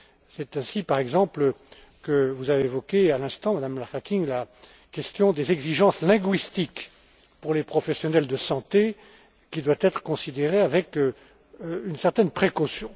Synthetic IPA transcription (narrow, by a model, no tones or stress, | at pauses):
sɛt̪ɛ̃sipaʁɛɡzɑ̃plə | kəvuzaveːvɔkealɛ̃st̪ɑ̃mad̪amlaʁkakʲiŋla | kɛst̪jɔ̃d̪ezɛɡziʒɑ̃slɛ̃ɡɥist̪ik | puʁlepχɔfɛsjɔnɛld̪əsɑ̃t̪e | kʲid̪wat̪ɛt̪χə̥kɔ̃sid̪eʁeavɛk | ynsɛʁt̪ɛnpχekosjɔ̃